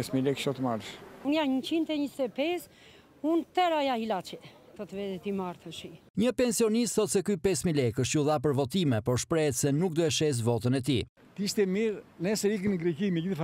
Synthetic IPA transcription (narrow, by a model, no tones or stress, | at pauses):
ɛsmilɛkʃɔt̪əmaɾʃunjaɲət͡ɕint̪ɛɲist̪ɛpɛs | unt̪ɛɾajailat͡ʃɛ | t̪ət̪əvɛðɛt̪imaɾt̪əʃi | ɲəpɛnsiɔnis̬t̪θɔt̪sɛkypɛsmilɛkəʃ̬t̪uðap̬əɾvɔt̪imɛpɔɾʃpɾɛɛt̪sɛnuk̚d̪uɛʃɛs̬vɔt̪ənɛt̪i | t̪əiʃt̪ɛmiɾnɛsɛɾikənɡɾɛkimɛɟiθf